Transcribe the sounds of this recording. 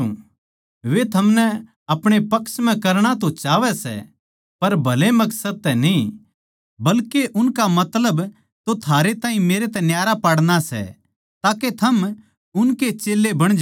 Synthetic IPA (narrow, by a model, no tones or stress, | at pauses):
ʋet̪ʰɐmnɛ | ɐpɽ̃epɐksm̤ɛ̃kɐɾɽ̃at̪̬ot͡ʃaːʋɛsɛ̰ | pɐɾbʱɐlemɐksəd̪̚t̪ɛnĩ | bɐlkeʔʊnkamɐt̪ləb | t̪ot̪ʰaːɾet̪ãːĩmeːɾet̪ɛ̃njaːɾapaɽɽ̃asɛ̰ | t̪aːket̪ʰɐm | ʊnket͡ʃeːlːebɐɽ̃d͡ʒ